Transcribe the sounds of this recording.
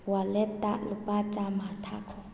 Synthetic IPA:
walɛtʼa̰lʊpʼat͡ʃʼamatʰa̰kʰɔ

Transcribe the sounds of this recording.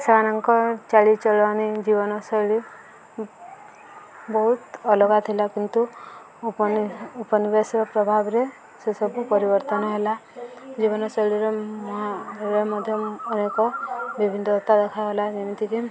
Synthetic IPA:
sebanaŋkɔt͡ʃaɭit͡ʃɔɭɔanid͡ʒibɔnɔsɔjɭi | bɔɦut̪ɔlɔɡat̪ʰilakint̪u | pnupɔnibasiɔpɾɔbʱabɾe | sesɔbupɔɾibɔɾt̪ɔnɔɦelad͡ʒibɔnɔsɔɭiɾemɔɦaɾemɔd̪ʱjɔːnekɔbibʱinɔt̪ːad̪ekʰaɦelad͡ʒeñit̪ʰiki

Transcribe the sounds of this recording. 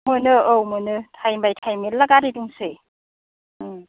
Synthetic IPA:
mɯnɯowmɯnɯtʰajmbajtʰajmilaɡaɾiduŋsɯ

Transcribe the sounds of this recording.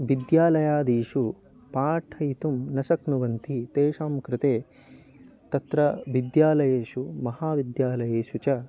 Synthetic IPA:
ʋid̪jaːlɐjaːd̪iːʂu | paːʈʰɐjt̪umnɐsɐknuʋɐnt̪ʰit̪eːʂaːmkɾɪt̪eː | t̪ɐt̪ɾɐʋid̪jaːlɐjeːʃumɐhaːʋid̪jaːlɐjeːʃut͡ʃɐ

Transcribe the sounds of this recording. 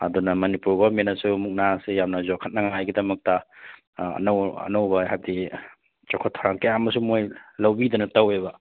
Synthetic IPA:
ɐ̰dunɐmɐnipuɾɡomenɐsumuk̚nasijamnɐzokʰɐt̚nɐŋajɡidɐmɐk̚tɐ | ɐ̰nɐwɐ̰nɐwbɐɦab̚di | t͡ʃokʰotʰːaɾaŋkɐjamɐs̬umojlɐwbidɐnɐtɐwebɐ

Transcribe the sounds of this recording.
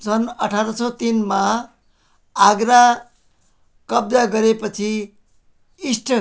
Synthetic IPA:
t͡sʰʌnʌʈʰaɾʌsʰʌt̪inma | aɡɾa | kʌb̚d͡zaɡʌɾepʌt͡sʰi | isʈʰʌ

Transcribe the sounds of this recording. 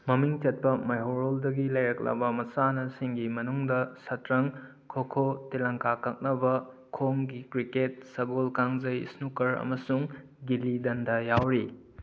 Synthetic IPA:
mɐmiŋt͡ʃɐt̚pɐmɐjɦoɾoldɐɡilɐjɾɐk̚lɐ̰bɐmɐsanɐsiŋɡimɐnuŋdɐsɐtɾɐŋ | kʰokʰotilaŋkakak̚nɐbɐ | kʰoŋɡikɾiket̚sɐɡolkaŋzɐjḭsnukɐɾɐ̰mɐsuŋ | ɡilidɐndajawɾi

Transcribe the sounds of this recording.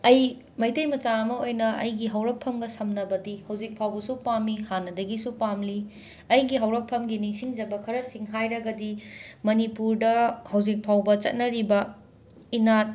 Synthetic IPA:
ɐj | mɐjtejmɐt͡ʃaɐmɐojnɐʔɐ̰jɡiɦɐwɾɐk̚pʰɐmɡɐsɐmnɐbɐdihɐwzik̚pʰawbɐsupamːihanːɐdɐɡisupamli | ɐjɡiɦɐwɾɐk̚pʰɐmɡinisiŋd͡ʒɐbɐkʰɐɾɐsiŋɦajɾɐɡɐdimɐnipuɾdɐhɐwd͡ʒik̚pʰawbɐt͡ʃɐ̰t̚nɐɾibɐ | inat̚

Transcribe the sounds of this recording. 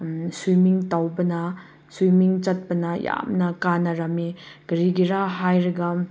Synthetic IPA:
sujmiŋtawbɐnɐ | sujmiŋt͡ʃɐt̚pɐnɐja̰mnɐkanɐɾɐmiɡ̥ɐɾiɡiɾaɦajɾɐɡɐ

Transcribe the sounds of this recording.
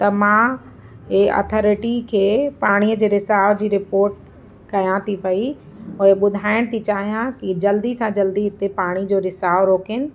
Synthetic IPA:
t̪ɐmã | ɦeɔ̰ːt̪ʰɔːɾɪʈikʰeːpaːɽ̃ijəd͡ʑeːɾɪsaːʋd͡ʑiːɾɪpoːɾʈ̚ | kɐjãt̪ʰipɐi | ʊeɓʊd̪ʱaːɪɽ̃t̪ʰit͡ɕaːɦijãkid͡ʑɐld̪isãd͡ʑɐld̪iɪt̪epaːɽ̃id͡ʑoːɾɪsaːʋɾoːkɪnɪ̆

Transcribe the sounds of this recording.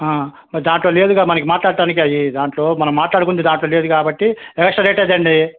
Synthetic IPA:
aː | mɐɾid̪aːɳʈlo̞ːle̞ːd̪uɡamɐnɐk̬imaːʈlaːɽɐɖaːnik̬iɐjid̪aːɳʈlo̞ːmɐnɐmːaːʈlaːɽukund̪id̪aːɳʈloːle̞ːd̪ukaːbɐʈːiɛkɐkʂʈɐɾeːʈɐjd̪ɐɳɖi

